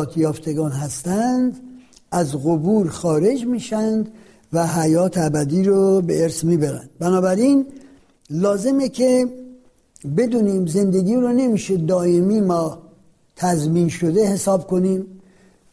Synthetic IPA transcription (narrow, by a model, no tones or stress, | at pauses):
t̪ʰjɒːft̪ʰeɡɒːnɦæst̪ænd̪ | æzɣobuːɾxɒːɾe̞d͡ʒmiːʃænd̪ | væɦæjɒːt̪ʰæbæd̪iːɾobeeɾsmiːbæɾæ̰nd̪̥̚bænɒːbæɾiːn | lɒːze̞mekʰe | be̞d̪uːniːmze̞nd̪e̞ɡiːɾone̞miːʃed̪ɒːemiːmɒː | t̪ʰæzmiːnʃod̪e̞he̞sɒːbko̞niːm